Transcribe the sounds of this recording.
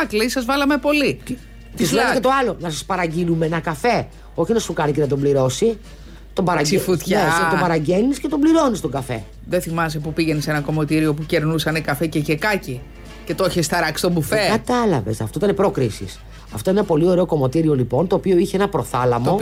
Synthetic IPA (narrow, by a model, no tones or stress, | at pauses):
ɐkleisɐzvɐlɐmepo̞li | t̪isleket̪o̞ɐlo̞nɐsɐspɐɾɐɟilumenɐkɐfe̞ | o̞çinɐsukɐnice̞nɐt̪̬o̞mbliɾo̞si | t̪obɐɾɐsifut̪çnnestobɐɾɐɟe̞nisce̞t̪o̞mbliɾo̞nist̪o̞ɡɐfe̞̰ | ðeθimɐsepupiʝenesenɐko̞mo̞t̪iɾio̞puceɾnusɐnekɐfececekɐci | ce̞t̪oçest̪ɐɾɐksi̥t̪obufekɐt̪ɐlɐ̰ve̞̰sɐft̪o̞it̪ɐnepɾo̞kɾisḭs | ɐft̪o̞inenɐpo̞lio̞ɾe̞o̞ko̞mo̞t̪iɾio̞lipo̞nt̪oːpio̞içeenɐpɾo̞θɐlɐmo̞